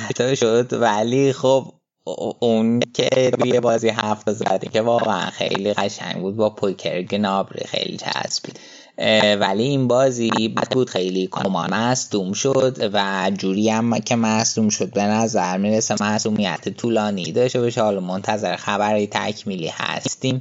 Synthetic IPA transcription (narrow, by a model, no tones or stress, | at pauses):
t̪ːʃod̪vælixob | uncʰḛt̪ʰujebɒːziɦæft̪ɒzæ̰d̪icʰevɒːɣeæ̰nxḛjliɣæʃæ̰ŋɟbuːd̪̚bɒːpʰojcʰḛɾɡnɒbɾḭxḛjlḭt͡ʃʰæ̰zb̥u | væliinbɒːzibæt̪buːd̪̥xe̞jlikʰomɒ̰ːmæsd̪umʃod̪væd͡ʒuːɾiːæmcʰemæsd̪umʃo̞d̪̚benæzæɾmiːɾesemæsuːmijæ̰t̪ʰet̪ʰuːlɒːnid̪ɒːʃt̪ebɒʃehɒːlɒmont̪ʰæzeɾexæbæɾit̪ʰæ̰cʰmiːlḭhæ̰st̪iːm